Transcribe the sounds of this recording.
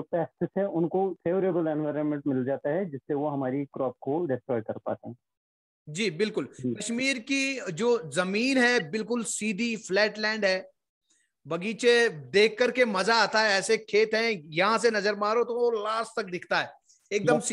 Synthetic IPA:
opɛːsʈɪsɦɛʔʊnkopʰeːʋəɾeːbəlɛ̃nʋaːɾənmɛ̃ɳʈmɪld͡ʒaːt̪aɦɛd͡ʒɪsːeʋoɦɐmaːɾikɾɔːp̚koɖɛsʈɾɔːɖkɐɾpa̰ːt̪eɦɛ̃ | d͡ʒiːbɪlkʊlkɐʃmiːɾkid͡ʒoːzɐmiːnɦɛːbɪlkʊlsiːd̪ʱiflɛːʈlɛ̃ːɳɖɦɛː | bɐɡiːt͡ʃed̪eːkʰːɐɾkemɐzaaːt̪aɦɛɛːsekʰeːt̪ɦɛ̃jɐɦãsenɐzəɾmãːɾot̪oolaːsʈt̪ɐk̚d̪ɪkʰt̪aɦɛː | eːk̚d̪əms

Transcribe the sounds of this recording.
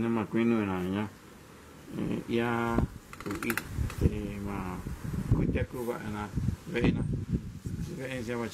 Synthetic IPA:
nẽmãkʷinũĩnãɲã | ia | uʔit̪imãkʷit̪ʲakuβaʔanãβeʔenã | iβeʔeñʃãβat͡ʃ

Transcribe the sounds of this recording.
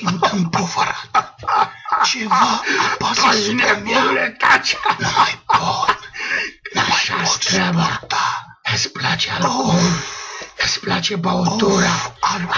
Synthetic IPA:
ɨnt̪ɨnpovəɾat̪ | t͡ʃevapaavinemulet̪at͡ʃamajɡɔd̪ | a̰ʃat̪ɾaba | əsplat͡ʃealol | əsplat͡ʃebaot̪oɾaal

